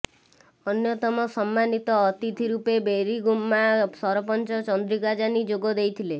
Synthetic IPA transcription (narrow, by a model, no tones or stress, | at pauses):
ɔnjɔt̪ɔmɔsɔmːanit̪ɔːt̪it̪ʰiɾupebeɾiɡumːasɔɾɔpɔnt͡ʃɔt͡ʃɔnd̪ɾikad͡ʒanid͡ʒoɡɔd̪ejt̪ʰile